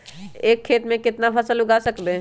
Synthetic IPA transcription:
eːkʰːeːt̪mẽkɪt̪napʰəsəlʊɡasəkbe

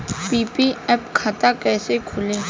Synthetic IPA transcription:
pipiɛpkʰat̪akɛːsekʰʊle

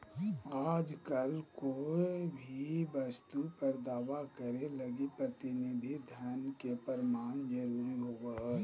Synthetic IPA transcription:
aːd͡ʒkəlkobʱibəst̪upəɾd̪aːʋakəɾeləɡipɾət̪ɪnid̪ʱid̪ʱənkepəɾɪmaːnd͡ʒəɾuːɾiɦoːɡa

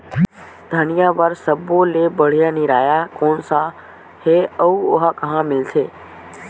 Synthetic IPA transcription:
d̪ʱɐnijaːʋəɾsɐboleːbəɽ̤ijaniɾaːjakoːnsã | heːɐuʊɦakɐɦãmɪlt̪ʰeː

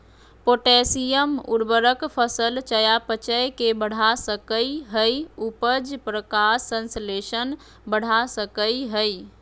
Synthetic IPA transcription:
poʈesijəmuɾbəɾəkpʰəsəlt͡ʃəjapət͡ʃəjkebəɽ̤ʱasəkəiɦəjupəd͡ʒpɾəkasənsleʃən | bəɽ̤ʱasəkəjɦəj

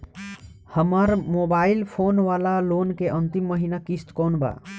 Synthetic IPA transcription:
həməɾmobaːilpʰonʋaːlalonkeʔənt̪imːəɦinakist̪kɔːnba̰

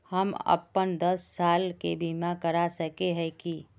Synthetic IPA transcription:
həmə̰pːənd̪əsːalkebimakəɾasəkeɦɛki

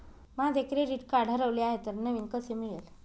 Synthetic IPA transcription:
mad̪ekɾeɾiʈkaɽ̤ʱəɾəʋliaɦet̪əɾnəʋiːnkəsemiɭel

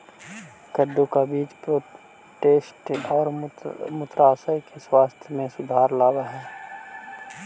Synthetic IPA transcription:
kəd̪ːukabiːt͡ʃpɾoː | ʈeːsʈɔːɾmʊt̪ɾaːsajkeswaːst̪ʰjəmẽsʊd̪ʱaːɾlaːbaɦɛː

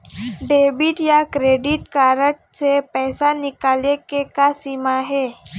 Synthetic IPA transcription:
ɖeːbɪʈjakɾeːɖɪʈkaːɾəʈsepɛːsanɪkaːlekekasiːmaɦɛː

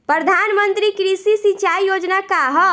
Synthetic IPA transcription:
pɾəd̪ʱanmənt̪ɾikɾisisit͡ʃaijod͡ʒnakaɦɔ

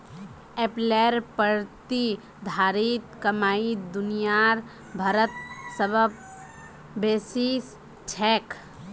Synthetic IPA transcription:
eːpleːɾpəɾt̪i | d̪ʱaːɾit̪kəmaːid̪ʊnijaːɾ | bʱɐɾət̪səbʱəb | beːsiːs | t͡ʃʰɛːk

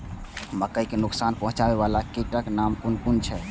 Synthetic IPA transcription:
məkəjkenuksanpɔɦũt͡ʃabeβalakiʈəknamkunkunt͡ʃʰɛ

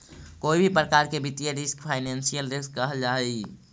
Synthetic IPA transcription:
koibʱipɾəkaɾkebit̪ijəɾiskpʰaɪnensijəlɾiskːəɦəld͡ʒaɦi

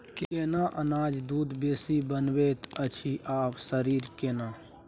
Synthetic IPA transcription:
keːnaʔənaːd͡ʒd̪uːd̪beːsibənweːt̪ʰət͡ʃʰiʔaːpsəɾiːɾkeːnaː

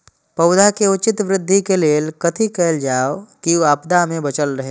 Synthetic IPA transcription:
pɐʊd̪akeʊt͡ʃɪt̪ʋɾɪd̪ʱːikeleːlkət̪ʰikɛld͡ʒaːokiaːpd̪amẽbɐt͡ʃəlɾəɦe

